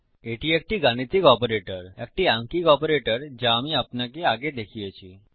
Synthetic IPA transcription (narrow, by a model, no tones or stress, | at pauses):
eʈʰiek̚ʈiɡaɽ̃it̪ikɔpɾeʈəɾɛk̚ʈiãŋkikɔpɾeʈəɾd͡ʑamiapnak̬eaɡed̪ekʰiat͡ɕi